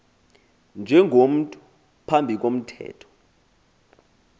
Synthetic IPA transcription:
nd͡ʒʱɛŋʱom̩tʼu | pʰambʱik̬om̩tʰɛ̰ːtʰɔ̥

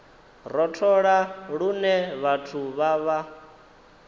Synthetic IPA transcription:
rɔtʰɔɺaɺunɛβatʰuβaβa

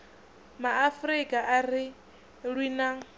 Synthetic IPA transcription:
maːfɾikʼaʔari | ɺwiːna

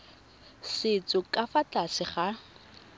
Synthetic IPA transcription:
sɪt͡sʼʊkʼafatʼasɪχa

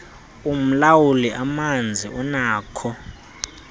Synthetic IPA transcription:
um̩lawuliʔamand͡zʱiʔɔnaːkʰɔ

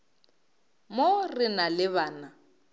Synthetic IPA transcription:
morɪnalɪβaːna

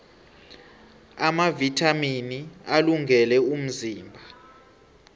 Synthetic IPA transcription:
amavitʰʼaminialuŋʱɛlɛum̩ziːmbʱa

